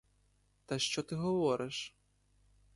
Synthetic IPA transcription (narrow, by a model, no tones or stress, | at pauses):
t̪ɐʃt͡ʃɔt̪ɨɣɐvɔɾɨʂ